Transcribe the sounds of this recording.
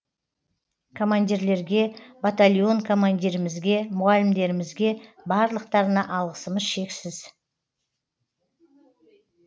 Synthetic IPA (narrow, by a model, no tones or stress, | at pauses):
kʰo̞mand̪ʲiɾle̞ɾɡʲe̞bat̪alʲijo̞ŋkʰo̞mand̪ʲiɾɪmɪzɡʲe̞mʊʁalʲɪmd̪e̞ɾɪmɪzɡʲe̞bɑɾlˠəq̚t̪ɑɾənɑʔɑlˠʁəsəməzʃe̞ksɪz̥